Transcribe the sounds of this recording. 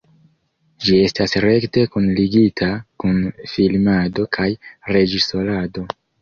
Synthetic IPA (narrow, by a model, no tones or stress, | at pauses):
d͡ʒie̞stasɾe̞kte̞kunliɡitʰakunfilmado̞kʰajɾe̞d͡ʒiso̞lado̞